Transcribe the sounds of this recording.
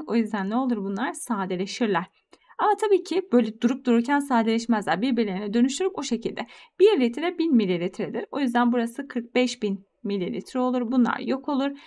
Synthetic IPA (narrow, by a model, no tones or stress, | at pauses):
o̞jyzd̪ænlʲeo̞lˠuɾbunlˠaɾsaːd̪elʲeʃiɾlʲˠæɾ̥ | amat̪ʰabiːcʰib̥ø̞jlʲɛd̪uɾup̚d̪uɾuɾcʰænsaːd̪elʲɛʃmæzlʲæɾbiɾbiɾlʲeninɛd̪ø̞nyʃt̪ʰyɾykoʃe̞cʰilʲd̪ɛb̥iɾlʲit̪ʰɾɛbinmilʲːilʲit̪ʰɾed̪iɾo̞jyzd̪ænbuɾasɯkʰɯɾk̚bɛʃbin | milʲːilʲḭt̪ʰɾɛo̞lˠuɾbunlˠa̰ɾjo̞kʰolˠuɾ